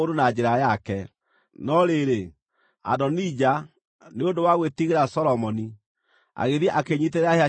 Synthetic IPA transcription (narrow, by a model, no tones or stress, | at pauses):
odonad͡ʑeɾajakɛ | nɔɾeɾe | a̰dɔnid͡ʑa | neodowaɣwetiɣeɾasɔɾɔmɔni | a̰ɣeðjɛʔakeɲit̬eɾɛahea